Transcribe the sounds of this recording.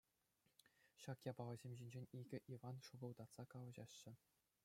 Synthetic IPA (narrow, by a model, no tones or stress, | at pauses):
ɕɑkjɑbɑlɤ̆zʲemʲʑinʲd͡ʑenʲiɡʲɘ̆ʔivɑnʂubɤ̆lˠd̪ɑt̪sɑkɑlˠɤ̆ʑɑɕːɘ̆